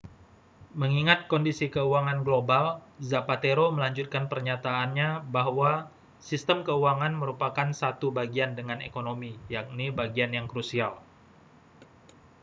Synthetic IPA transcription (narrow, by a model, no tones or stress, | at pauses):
məŋiŋat̪̚kɔndisikəuaŋanɡlobalzapat̪eɾoməlaɲd͡ʒut̪̚kanpərɲat̪aːnɲabaɦwa | sist̪əmkəuaŋanməɾupakansat̪ubaɡiandəŋanḛkonomijak̚nibaɡianjaŋkɾusial